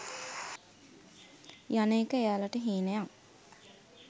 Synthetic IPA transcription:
janeːkəejaːlaʈəɦiːnəjaŋ

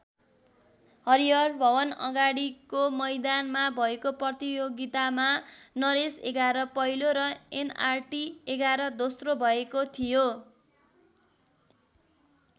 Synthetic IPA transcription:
hʌɾijʌrbʱʌwʌnʌ̰ɡaɽikomʌjd̪anmabʱʌekoprʌt̪ijoɡit̪amanʌɾesḛɡaɾʌpʌɦiloɾʌena̰rʈieɡaɾʌd̪osrobʱʌekot̪ʰijo

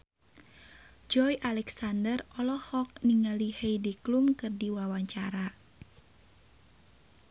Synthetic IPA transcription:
d͡ʒɔjʔalɛksandərɔlɔhɔk̚niŋalihejdiklumkɨrdiwawaɲt͡ʃaɾa

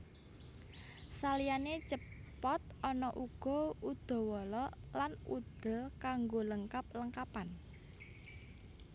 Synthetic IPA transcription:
salijanet͡ʃəpɔt̪̚ɔnɔʔuɡ̥ɔ̤ud̪̥ɔ̤wɔlɔlanṵd̪̥ə̤lkaŋɡoləŋkap̚ləŋkapan

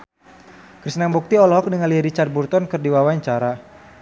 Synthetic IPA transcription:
kɾisnambuk̚t̪iɔlɔɦɔk̚dəŋanliɾit͡ʃart̪̚burt̪ɔnkɨrdiwawaɲt͡ʃaɾa

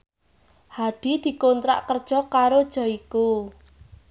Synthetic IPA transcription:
had̪̥i̤d̪̥i̤kont̪ɾa̰ʔkərd̥ʒ̥ɔ̤kaɾod̥ʒ̥ɔ̤iku

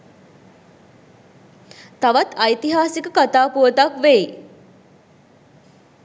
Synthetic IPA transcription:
t̪aʋat̪ajt̪iɦaːsikəkat̪aːpuʋət̪akʋe

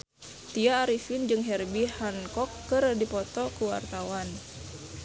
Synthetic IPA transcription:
t̪iaːɾifind͡ʒɨŋɦɛrbihankɔkːɨrdipɔt̪ɔkuwa̰rt̪awan

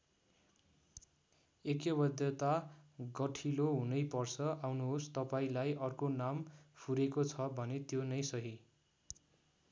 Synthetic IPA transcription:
ekjʌbʌd̪jʌt̪aɡʌʈʰiloɦunʌjpʌrt͡sʰʌʔawnuɦost̪ʌpaĩlajʔʌrkonampʰuɾekot͡sʰʌbʱʌnet̪jonʌjsʌɦi

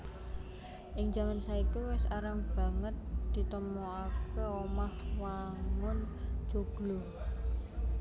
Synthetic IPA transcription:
ʔɪŋd͡ʒa̤mansaikuwɪsaɾaŋb̥a̤ŋət̪̚d̪̥i̤t̪əmoakəomahwaŋʊn | d͡ʒ̥o̤ɡ̥lo

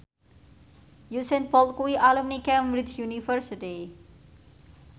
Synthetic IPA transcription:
jusɛnpɔlt̪̚kuwiʔalumnikɛmɾid͡ʒjunifərsiti

